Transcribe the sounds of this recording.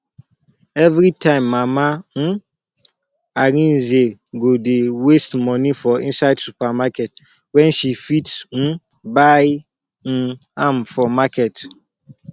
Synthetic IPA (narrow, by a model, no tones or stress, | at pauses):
ɛvɾitʰãɪ̃mːaman̩ | aɾĩn̩zeɡodewestmɔnifɔḭ̃nsadsupamakɛt̚ | wɛ̃nʃifitsn̩ | baj | n̩ | ãmfɔmakʰɛt